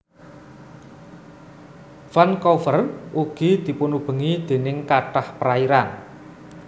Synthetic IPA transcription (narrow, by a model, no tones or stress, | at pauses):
fankɔfərʔuɡ̥i̤d̪̥i̤punub̥ə̤ŋid̪̥e̤nɪŋkaʈahpəɾaiɾan